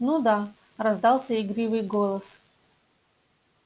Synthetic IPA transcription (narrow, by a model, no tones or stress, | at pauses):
nud̪a | rɐzd̪ɑlˠsʲəɪɡɾʲivɨjɡolˠəs